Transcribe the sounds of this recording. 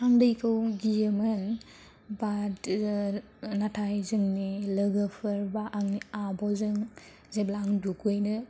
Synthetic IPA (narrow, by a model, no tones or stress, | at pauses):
haŋdɯjkʰɯwɡijemɯn | bad | natʰajzɯŋnilɯɡəpʰɯɾbaʔːŋniabɔzɯŋ | zeblaŋdukʰujnɯ